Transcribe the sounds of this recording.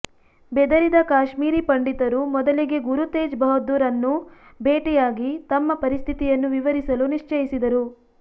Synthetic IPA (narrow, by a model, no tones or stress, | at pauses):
bɛd̪ɐɾid̪ɐkaːʃmiːɾipɐɳɖit̪ɐɾumɔd̪ɐliɡe̞ɡuɾut̪eːd͡ʒbɐɦod̪ːuɾɐnːu | beːʈɛjaːɡit̪ɐmːɐpɐɾist̪ʰit̪ijɐnːuʋiʋɐɾisɐluniʂt͡ʃɐjisid̪ɐɾu